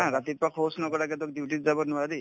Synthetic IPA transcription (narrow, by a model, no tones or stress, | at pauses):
ãɾat̪ipakʰɔsnɔkɔɾakɛt̪̬ɔk̚diwʈitzabɔnʊwadi